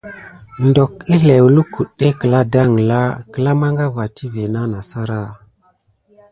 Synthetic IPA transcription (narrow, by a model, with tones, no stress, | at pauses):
ndo˨ki˦ɬe˨wu˨lu˦ku˨ɗe˦kə˨la˦da˦˨ŋ˨la˦kə˨la˦ma˦ŋɡa˦va˨tʰi˦ve˨na˦na˨sa˦ɾa˦˨